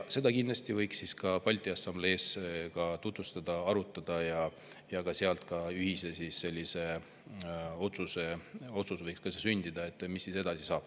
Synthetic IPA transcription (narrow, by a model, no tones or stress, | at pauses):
se̞d̪ɑkind̪lɑsʲt̪ivɤjksːiskɑpɑlʲt̪iɑsɑmble̞ːskɑt̪ut̪vust̪ɑd̪̥ɑɑɾut̪ˑːɑd̪̥ɑjɑ | jɑkɑseɑlt̪kɑyɦise̞sisːe̞lʲːise̞ | o̞t̪suse̞o̞t̪susvɤjkskɑsesynʲd̪̥id̪̥ɑe̞t̪ːˑmisːise̞d̪ɑsisɑːb̥